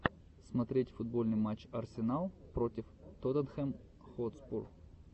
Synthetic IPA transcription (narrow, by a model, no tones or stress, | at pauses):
smɐt̪ɾʲetʲfʊd̪̚bo̞lʲnɨjmat͡ɕɐrsʲɪnalˠpɾotʲɪft̪ot̪ənxɛm | xot̪spor